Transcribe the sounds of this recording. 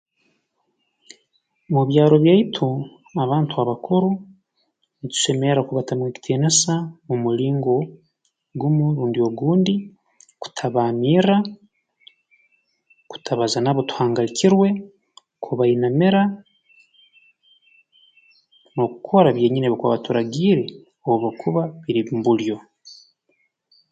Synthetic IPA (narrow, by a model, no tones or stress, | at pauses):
muβjaːɾo̞βjaitʰu | aβaːntʰuaβakoɾu | nit̪u̥ʃe̞meɾakuβatamweːci̥tʰeːnasamumuliːŋɡo̞ | ɡumuɾuːndio̞ɡuːndi | ku̥tʰaβamiːɾa | ku̥tʰaβazanaβo̞tu̥haːŋɡalicʰiɾwe̞ | kʰuβainameɾa | no̞kukʰo̞ɾaβje̞ːɲineβikuaβatuɾaɡiːɾe̞ | oβokʰuβaβiɾiβimbuljo̞